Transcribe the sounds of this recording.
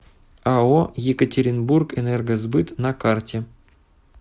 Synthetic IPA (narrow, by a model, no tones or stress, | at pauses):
aojekətʲeɾʲɪnburkɛnɛrɡəzbɨt̪nɐkartʲe